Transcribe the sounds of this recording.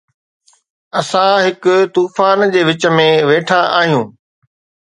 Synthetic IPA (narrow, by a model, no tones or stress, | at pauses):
ɐsãɦɪkʊt̪uːfaːnd͡ʑeːʋɪt͡ɕə̆mẽʋeːʈʰaʔaːɦijũː